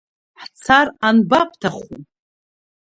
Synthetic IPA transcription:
ħt͡sʰaranbapʰtʰaχṵ

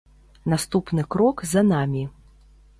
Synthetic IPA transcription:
nast̪upnɨkɾɔkzɐanamʲi

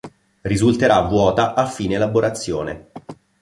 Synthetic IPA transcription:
rizult̪eɾavːwɔːt̪aʔafːiːneːlaboɾʔat̪sːjo̰ːnḛ

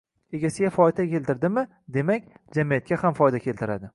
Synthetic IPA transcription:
e̞ɡʲasɪɡʲafɒd̪akʲe̞lt̪ɪɾd̪ɪmɪ | d̪e̞makʲd͡ʒamijat̪̚kʲahamfɒjd̪akʲe̞lt̪ʰɪɾad̪ɪ

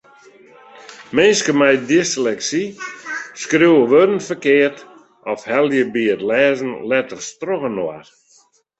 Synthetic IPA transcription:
meːskəmɛjdislɛksi | skriwəʋødəntfərkɪərt | ɔfhɛlˠjəbiətlɛːzən̩lɛtərstroɣənoa̰r

